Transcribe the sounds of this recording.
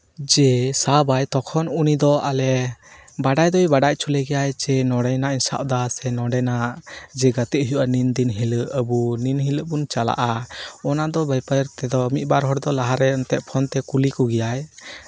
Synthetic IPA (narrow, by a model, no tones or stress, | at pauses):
d͡ʒɛsabajt̪ɔkʰɔnunid̪ɔalɛ | baɖajd̪ɔjbaɖac̚ˀt͡ʃʰulɛɡɛjajt͡ʃɛnɔɽɛjnainsa̰ʔ̚d̪asɛnɔɖɛnad͡ʒɛɡat̪əʔɦjuʔanind̪inɦiləʔəbuninɦiləʔbunt͡ʃala̰ʔaɔnad̪ɔbajpəɾt̪ɛd̪ɔmit̪̚ˀbaɾɦɔɽd̪ɔlaɦaɾɛɔnt̪ɛʔ̚pʰɔnt̪ɛkulikɔɡɛjaj